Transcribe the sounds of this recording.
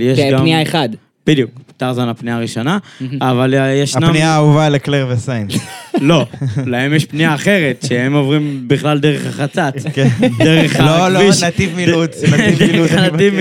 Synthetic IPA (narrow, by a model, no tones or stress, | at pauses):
jeʃɡamniaeχad̪ | b̥id̪ijukt̪aʁzonapniaʁiʃo̞naːvaljeʃnamniauvalekleʁvesajnlo̞lahemjeʃpniaːχe̞ʁet̪ʃehemovʁimbiχlald̪eʁeχaχat͡sat̪k̪eʁeχaloloiʃnat̪ivmidut͡sdeχanaiv